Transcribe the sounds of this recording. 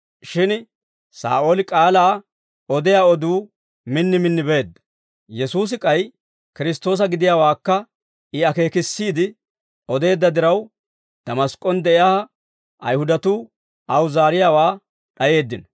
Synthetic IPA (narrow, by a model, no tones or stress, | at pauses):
ʃɪn | sa̰ːʔolɪkʼaːlaː | ɔd̪ɛjaːɔd̪uː | mɪnːɪmɪnːɪbe̞ːd̪ːɐ̥ | jɛsuːs̬ɪkʼɐj | kɪɾɪs̬t̪ːo̞ːs̬ɐɡɪd̪ɪjaːwaːkːɐ | ɪɐke̞ːkɪsːiːd̪ɪ | ɔd̪e̞ːd̪ːɐd̪ɪɾɐw | d̪̥ɐmɐskʼɔnd̪ɛʔɪjahɐ | ʔɐ̰jhʊd̪ɐt̪uː | ʔɐwzaːɾɪjaːwaː | ɗɐje̞ːd̪ːɪn